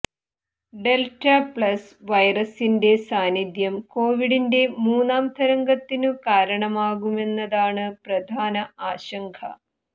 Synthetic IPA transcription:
ɖe̞lʈɐpɭɐs | ʋɐjrɐsinde̞saːnid̪jɐmko̞ːʋiɽinde̞muːnaːmt̪ʰɐɾɐŋɡɐt̪ːinɨkaːɾɐɳɐmaːɣume̞nːɐðaːɳɨprɐd̪ʱaːnɐaːɕɐŋkʰɐ̰

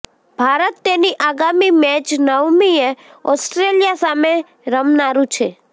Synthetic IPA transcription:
b̥ʱaɾət̪ːeniʔaɡamimɛt͡ʃnəʋmie | ɔsʈɾelijasame | ɾəmnaɾũt͡ʃʰe

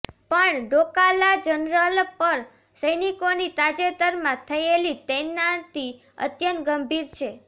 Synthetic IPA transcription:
pəɳɖokalad͡ʒənɾəlpəɾ | səjnikonit̪ad͡ʒet̪əɾmãt̪ʰəelit̪ɛnãt̪i | ə̰t̪jənɡəmbʱiɾt͡ʃʰe

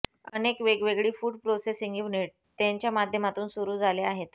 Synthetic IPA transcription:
ə̰nekʋeɡʋeɡɭiːfuːɖpɾosesiŋɡiʋneʈ̚ | t̪jaɲt͡ɕjamad̪ʱjəmat̪uːnsuɾuːd͡zʱaleaɦet̪

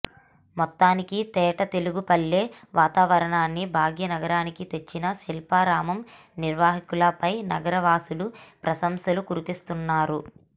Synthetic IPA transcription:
mɔt̪ːaːnikit̪ɛːʈɐt̪e̞luɡupɐlːe̞ː | ʋʔaːt̪aːʋɐɾɐɳaːnːibʱaːɡʱjɐnɐɡɐɾaːnikit̪e̞t͡ʃːinɐʃilpaːɾaːmɐm | niɾʋaːɦikulɐpɐjnɐɡɐɾɐʋaːsulupɾɐsɐmsɐlukuɾipist̪unːaːɾu

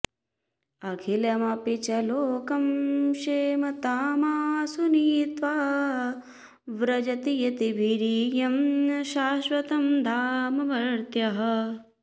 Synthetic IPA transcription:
ɐkʰilɐmɐpit͡ʃɐloːkɐmʃeːmɐt̪aːmaːsuniːt̪ʋaː | ʋɾɐd͡ʒɐt̪ijɐt̪ibʱiɾiːjɐmʃaːʃʋɐt̪ɐmd̪ʱaːmɐʋɐɾt̪jɐɦɐ

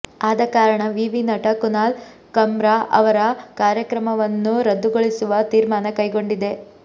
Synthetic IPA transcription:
aːd̪ɐkaːɾɐɳɐʋiːʋinɐʈɐkunaːl | kɐmɾaʔɐ̰ʋɐɾɐkaːɾjɐkɾɐmɐʋɐnːuɾɐd̪ːuɡoɭisuʋɐt̪iːɾmaːnɐkɐjɡo̞ɳɖid̪e̞

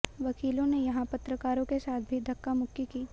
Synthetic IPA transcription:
ʋɐkiːlõnejɐɦãpɐt̪ɾəkaːɾõkesaːt̪̚ʰbʱid̪ʱɐkːamʊkːikiː

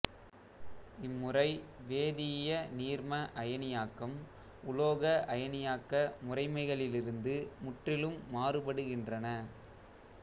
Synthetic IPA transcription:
ɪmːʊrɐɪʋeːðɪjɐniːɾmɐʔɐjɐnɪjaːkːɐm | ʊloːɣɐʔɐjɐnɪjaːkːɐmʊrɐɪmɐɪɣɐɭɪlɪɾɯnd̪ɯmʊʈrɪlɯmːaːrɯpɐɽɯɣɪndrɐnɐ

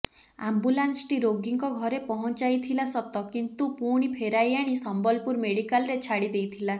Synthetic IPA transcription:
a̰mbulansʈiɾoɡiŋkɔɡʱɔɾepɔɦɔnt͡ʃajt̪ʰilasɔt̪ɔkint̪upuɽ̃ipʰeɾajaɽ̃isɔmbɔlpuɾmeɽikalɔɾet͡ʃʰaɽid̪ejt̪ʰila

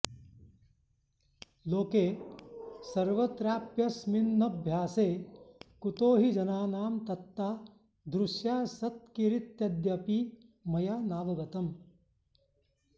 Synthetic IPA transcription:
loːkeː | sɐɾʋɐt̪ɾaːpjɐsminːɐbʱjaːseːkut̪oːɦid͡ʒɐnaːnaːmt̪ɐt̪ːaː | d̪ɾuʃjaːsɐt̪̚kiɾit̪jɐd̪jɐpimɐjaːnaːʋɐʋɐt̪ɐm

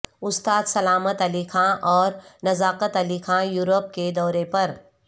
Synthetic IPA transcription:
ʊst̪aːd̪sɐlaːmət̪ɐlikʰãʔɔːɾnɐzaːqət̪ɐliːkʰãjuːɾop̚ked̪ɔːɾepɐɾ

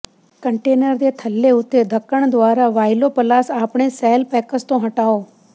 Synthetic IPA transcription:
kə̃ɳʈeːnəɾd̪et̪ʰəlːeʊt̪ːed̪ʱəkːəɳ̃d̪ʋaːɾaʋaːɪlopəlaːsaːpɳ̃esɛːlpɛːkəst̪õɦəʈaːoː

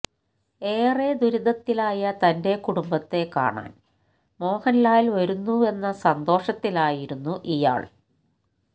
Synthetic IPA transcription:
eːred̪uɾuðɐt̪ːilaːjɐt̪ɐnde̞kuɽumbɐt̪ːe̞ka̰ːɳa̰ːn | mo̞ːhɐnlaːjlʋɐɾunːue̞nːɐsɐnd̪o̞ːʂɐt̪ːilaːjiɾunːuʔija̰ːɭ

